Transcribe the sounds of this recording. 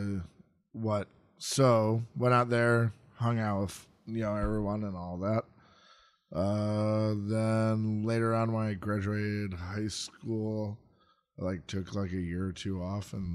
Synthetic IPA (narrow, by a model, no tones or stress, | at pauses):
wʌt̚ | soʊwɛ̃ɾ̃aʊt̪̚ðə˞ | hʌ̃ŋaʊɾʌv̥ | jɨnoʊɛvɹiwʌ̃nə̃nɔlˠðæt̚ | ʔʌ | ðə̃nleɪɾə˞ə̃nmaɪɡɹæd͡ʒʉeɪɾɪd̚haɪskulˠ | ɪlaɪk̚tʰʊkʰlaɪkɨjɪɹə˞tʰʉɔfə̃n